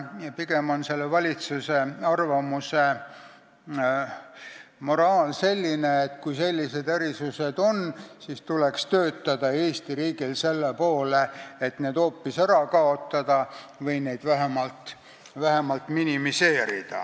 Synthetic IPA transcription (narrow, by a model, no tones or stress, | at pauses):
jɑpiɡ̥e̞mo̞nse̞lːevɑlʲit̪suse̞ɑrvɑmuse̞ | mo̞ɾɑːlse̞lʲːineːt̪ˑkujse̞lʲːise̞d̪̥æɾisuse̞d̪̥o̞nsist̪ulekst̪ø̞ːt̪ːˑɑd̪ɑe̞ːst̪iɾiːɡ̥ilse̞lːepo̞ːleet̪ne̞ːd̪̥o̞ːpːisæɾɑkɑo̞t̪ːɑd̪̥ɑvɤjne̞jd̪̥væɦemɑlt̪ | væɦe̞mɑlt̪minimise̞ːɾḭd̪̥ɑ̰